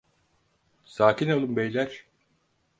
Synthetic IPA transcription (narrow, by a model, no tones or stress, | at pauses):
saːcinolˠɯmbejlʲæɾ̥